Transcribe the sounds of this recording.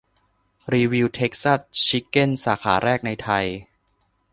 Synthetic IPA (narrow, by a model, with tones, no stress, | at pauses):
ɾiː˧wi˧wt̪ʰe˦˥k̚sa˥˩st͡ɕʰi˦˥kːe˥˩nsaː˩˦xʰaː˩˦ɾɛː˥˩k̚na˧jt̪ʰa˧j